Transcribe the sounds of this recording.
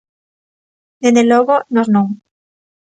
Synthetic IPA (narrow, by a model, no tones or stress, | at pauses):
d̪end̪eloɣonoznoŋ